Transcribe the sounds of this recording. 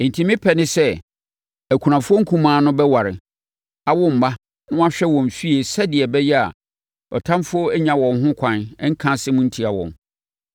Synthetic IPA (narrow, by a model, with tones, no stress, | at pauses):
ɪ̃˨n˨tʰi˨mɪ̃˦pʰɛ˨nɪ̃˦sɛ˦ | æ˨kʰu˨ɾã˨fʊ˦ɔ˦ŋ̩˦kʰũ˦mãː˨˦nʊ̃˦bɛ˦wa˨ɾɪ̰˨ | a˨wʊ˦m̩˨ma˦ | nʊ̃˦a˦ɕᶣɛ˦wɔ̃˨m˨fi˦e˨sɛ˦dɪ˨ɛ˨bɛ˦jɛ˦a̰˨ | ɔ̰˨tʰã˦mfʊ˦o˦æ˦ɲã˨wɔ̃˨nɦʊ̃˦kʷʰã˨n˦ŋ̩˦kʰã˦sɪ˦mʊ̃˦n̩˦tʰi˨a˨wɔ̰̃˨m